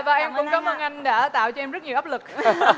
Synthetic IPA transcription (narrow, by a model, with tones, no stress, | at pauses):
vaː˨˩ʔɛ˧mkʊ̰˧˩ŋ͡mkɔ˨˦mhəː˧nʔa˧jŋ̟ɗa̰ː˧˩˨t̪a̰ː˧˨wt͡ɕɔ˧ʔɛ˧mzt̚ɲi˨˩ʔaː˦˥p̚lɨ˨˩k̚